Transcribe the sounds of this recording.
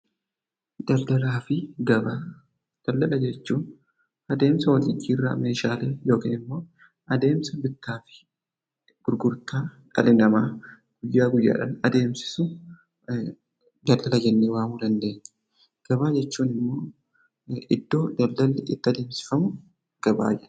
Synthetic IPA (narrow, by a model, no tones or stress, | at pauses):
d̪̥ɐld̪ɐlaːfɪɡɐbaː | d̪̥ɐlːɐlɐd͡ʒɛt͡ʃːuːn | ɐd̪e̞ːmsɐwɔt̪id͡ʒiːrːa̰me̞ːʃaːleːjo̞ːkiːnɪmːo̞ː | ʔɐd̪e̞ːmsɐbɪt̪ːaːfɪ̥ | ɡ̥ʊɾɡʊɾt̪aːᶑɐ̰lɪnɐmaː | ɡ̥ʊjːaːɡʊjːa̰ːᶑɐnɐd̪e̞ːmsɪ̥sʊ | d̪ɐlːɐlɐd͡ʒɛnːeːwaːmuːd̪ɐnd̪e̞ːɲːɛ̥ | ɡ̥ɐβaːd͡ʒɛt͡ʃːuːnɪmːo̞ː | ʔɪd̪ːo̞ːd̪ɐlːɐlːɪʔɪt̪ːɐd̪e̞ːmsɪ̥fɐmʊ | ɡ̥ɐba̰ːd͡ʒɛn